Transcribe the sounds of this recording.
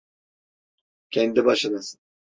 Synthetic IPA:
cʲʰɛnd̪ibaʃɯnɯsɯ̥

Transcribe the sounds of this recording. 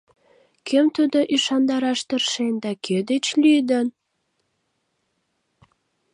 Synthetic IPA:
kʰemt̪ud̪oʔiʃɑnd̪ɑɾɑʃt̪ərʃend̪ɑked̪et͡ɕlyd̪ən

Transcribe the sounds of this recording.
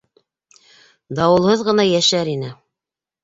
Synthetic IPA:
d̪ɑwɤ̆lˠhɤðʁɤ̆nɑjæʃæɾinɘ

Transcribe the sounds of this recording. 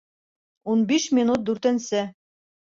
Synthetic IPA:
unbiʃmʲinut̪̚d̪ʉɾt̪ɘ̆nsɘ

